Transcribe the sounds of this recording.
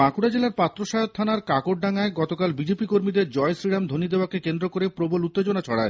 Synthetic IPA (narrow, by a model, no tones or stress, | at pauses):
akuɽad͡ʑelaɾpat̪ːɾoʃajot̪ʰːanaɾkakoʈ̚ɖaŋaeɡɔt̪okalbid͡ʑepikoɾmid̪eɾd͡ʑɔesɾiɽamd̪ʱonid̪eoakekend̪ɾokoɾepɾobolut̪ːed͡ʑonat͡ɕʰɔɽae